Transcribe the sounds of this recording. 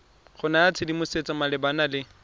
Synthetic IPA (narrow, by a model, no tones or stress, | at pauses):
χʊnaat͡sʰɪdimʊset͡sʼamalɪbanalɪ